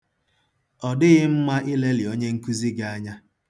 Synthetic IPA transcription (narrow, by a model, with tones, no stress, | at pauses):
ɔ˨dɪ˦ɣɪ˦m̩˦ma˦ʔɪ˦le˦li˨o˦ɲe˦ŋ̩˦ku˦zi˦ɡa˨a˦ɲa˦